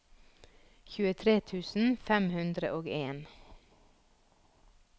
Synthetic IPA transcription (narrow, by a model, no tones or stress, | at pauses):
çʉːət̪ʰɾeːt̪ʰʉːsn̩fɛmhʉnd̪ɾəʔoːɡeːn